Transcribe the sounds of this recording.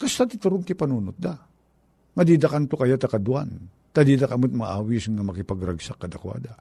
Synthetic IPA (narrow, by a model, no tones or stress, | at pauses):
kast̪at̪it̪aɾʊŋkipanuːnʊt̪̚d̪a | ŋad̪id̪akant̪okajat̪akad̪ua̰n | t̪ad̪id̪akamot̪̚maʔaːwisŋamɐkɪpaɡɾaɡsakːad̪akwa̰ːd̪a